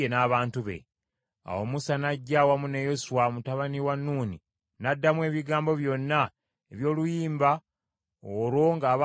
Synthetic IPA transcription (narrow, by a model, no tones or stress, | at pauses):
enaːβaːntuβe̞̰ | a̰womusanaɟːawamune̞josuwamutaβaniwanːuːni | nadːamwe̞ːβiɡaːmbo̞βjonːa | eβjo̞ːlujiːmba | oɾwo̞ŋɡaː